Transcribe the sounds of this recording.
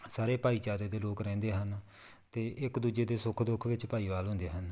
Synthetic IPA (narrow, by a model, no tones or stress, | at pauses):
saːɾeːpaːiːt͡ʃaːɾeːd̪eːloːkɾɛ̃ːnd̪eːɦən | t̪eːʔɪkd̪uːd͡ʒeːd̪eːsʊkʰd̪ʊkʰʋɪt͡ʃpaːiːʋaːlɦʊ̃ːnd̪eːɦən